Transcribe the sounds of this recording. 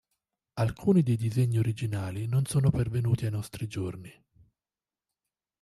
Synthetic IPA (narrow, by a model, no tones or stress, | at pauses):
alkʰuːnid̪ejd̪izeɲːioɾid͡ʒinaːlinonsoːnopervenuːt̪iajnɔst̪ɾid͡ʒorni